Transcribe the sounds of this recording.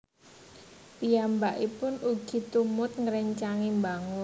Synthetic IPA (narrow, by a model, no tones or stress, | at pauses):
pijambaʔipʊnuɡ̥i̤t̪umʊt̪̚ŋəɾɛɲt͡ʃaŋimbaŋʊ